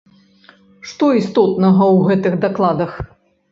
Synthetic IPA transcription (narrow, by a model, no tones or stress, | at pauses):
ʂt̪ɔist̪ɔt̪nɐɣɐwɣɛt̪ɨɣd̪aklˠad̪ɐx